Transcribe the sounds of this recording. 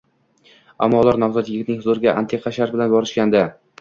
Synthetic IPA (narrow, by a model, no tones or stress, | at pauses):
a̰mːɒlˠɒɾnɒwzɒt̪jɪɡʲɪt̪nɪŋhʊzoɾɡʲaʔant̪ʰeqʰaʃaɾt̪̚bɪlanbɒɾɪʃkʲand̪a